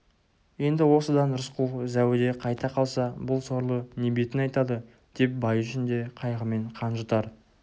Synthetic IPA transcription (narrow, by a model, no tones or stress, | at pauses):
je̞nd̪ɪwo̞səd̪ɑnɾʊsqʰuzæwɪd̪e̞qʰɑjt̪ɑqʰɑlˠsɑbʊlˠso̞ɾlˠənebe̞t̪ɪnɑjt̪ɑd̪ə | d̪̥e̞p̚bɑjʏʃɪnd̪e̞qʰɑjʁəme̞ɴqʰɑnʒət̪ɑɾ